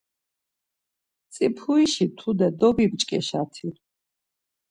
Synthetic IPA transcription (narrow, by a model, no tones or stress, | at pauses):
t̪sʼipʰuiʃit̪ʰud̪ɛd̪ɔbibt͡ʃʼkʼɛʃat̪ʰi